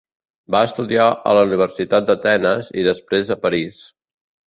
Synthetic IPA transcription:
baəst̪uðiaə̰ləuniβ̞əɾsit̪at̪̚d̪ət̪ɛnəzḭðəspɾezəpəɾis

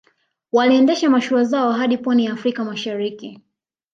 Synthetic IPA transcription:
waliɛndɛʃamaʃuazaɔɦaɗipɔnijaːfɾikamaʃaɾiki

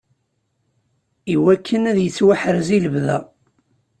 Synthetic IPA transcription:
iwækʰːənæðjət͡sːwaħəɾziləvðæ̰

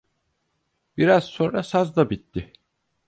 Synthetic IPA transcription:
b̥iɾaz̥so̞nɾasazd̪abit̪ʰːɪ

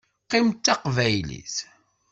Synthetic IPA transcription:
qimt̪ːaqvæjlḭs

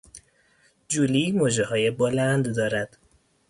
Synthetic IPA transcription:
d͡ʒuliːmod͡ʒehɒːjebolænd̪d̪ɒːɾæd̪̥

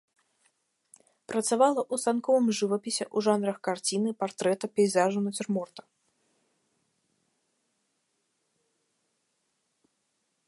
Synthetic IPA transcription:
pɾɐt̪savalˠɐʔusankɔvɨmʐɨvɐpʲisʲɛʔuʐanɾɐxkart͡sʲinɨpart̪ɾɛt̪ɐpʲɛjzaʐunɐt͡sʲɪrmɔrt̪ɐ̥

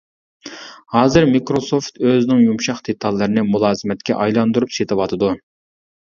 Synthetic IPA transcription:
hɑːzɨɾmikɾosoft̪øzɪnɪŋjumʃɑχd̪̥et̪ʰɑlˠːɨɾɨnɪmulˠɑːzɨmɛt̪̚kʲɛ̰ʔɑjlˠɑnd̪uɾupset̪ʰɨwɑt̪ʰɨd̪u

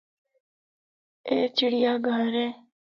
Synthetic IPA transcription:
eːt͡ʃiɽijaːɡʱəɾeː

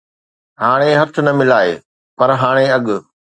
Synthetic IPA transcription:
haːɽ̃eɦɐt̪ʰʊ̆nɐmɪlaːḛː | pɐɾɦaːɽ̃eɐɠʊ̆

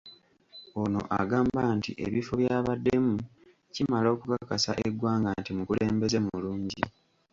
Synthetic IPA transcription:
ono̞̰ʔa̰ɡaːmbantiʔe̞̰βifo̞βjaːβadːe̞mu | cimalo̞ːkukakasaʔeɡwaːŋɡantimukule̞ːmbe̞ze̞muluːɲɟḭ

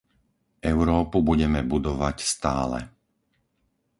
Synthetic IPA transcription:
ɛʊɾɔːpubuɟɛmɛbud̪ɔʋacst̪aːlɛ̰

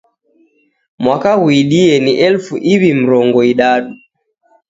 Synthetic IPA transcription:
mwakahuiɗiɛniʔɛlfuʔiβim̩ɾɔŋɡɔiɗaɗu

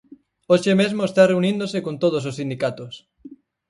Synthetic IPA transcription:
oʃemezmoest̪areunĩnd̪osekõnt̪oð̞os̬osːind̪ikat̪os

